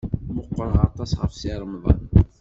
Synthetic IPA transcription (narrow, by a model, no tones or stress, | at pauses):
məqːɾˤʁɑt̪ˤɑsʁə̰fsiɾˤəmðˤə̰n